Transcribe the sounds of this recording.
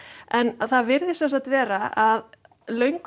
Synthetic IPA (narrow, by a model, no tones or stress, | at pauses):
ɛnθaðvɪɾðɪsɛnsat̪vɛːɾaað | lœɥŋk